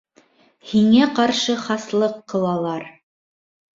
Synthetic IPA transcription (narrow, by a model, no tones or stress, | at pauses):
hiŋæqɑɾʃɤχɑslˠɤqːɤ̆lˠɑlˠɑɾ